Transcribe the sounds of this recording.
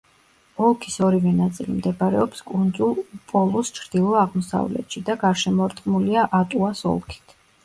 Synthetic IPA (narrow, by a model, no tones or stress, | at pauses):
ɔlˠkʰisɔɾivɛnat̪sʼilḭmd̪ɛbaɾɛɔpskʼund̪zulˠpʼɔlˠust͡ʃʰɾd̪̥ilˠɔaʁmɔsa̰vlɛ̰t̪ʃid̪aɡaɾʃɛmɔɾt̪ʼqʼmuliaʔat̪ʼuasɔ̰lˠkʰi̥t̪ʰ